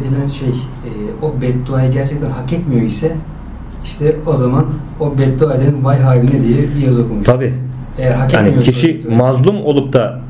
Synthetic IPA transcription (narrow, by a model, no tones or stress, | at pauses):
d̪ilʲænʃej | ɛːo̞bɛt̪̚d̪uajɯɟæɾt͡ʃʰɛkt̪ʰænɦakɛt̪mijo̞isɛ | iʃt̪ʰɛo̞zaman | o̞bɛt̪̚d̪uad̪ʲeinvajɦaːlʲinɛd̪ijɛbijazo̞kʰulˠmuʃt̪ʰabiː | ejæɾɦakɛa̰niijocʰiʃimazlˠumo̞lˠup̚t̪ʰa